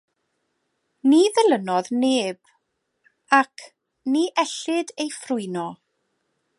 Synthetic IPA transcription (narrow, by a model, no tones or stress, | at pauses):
niðəlˠənɔðneːb̥ | akʰ | niʔɛɬɪdejfrʊɨnɔ